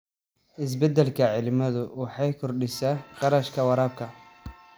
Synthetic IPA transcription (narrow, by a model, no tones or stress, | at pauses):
ʔɪs̬bɛd̪ɛlkʰɐʕɪlɪmɐðʊwɑħɑjkʰʊrɖɪsaːqɑɾɐʃkʰɐwɑɾɑːb̚kʰɐ